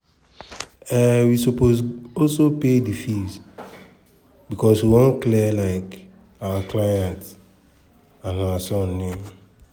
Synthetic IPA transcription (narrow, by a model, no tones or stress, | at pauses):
ɛwisopozɔlsopedifiz | bikɔswiwõnklɛlaɪk | awaklajãnt | ãnawasɔ̃nːem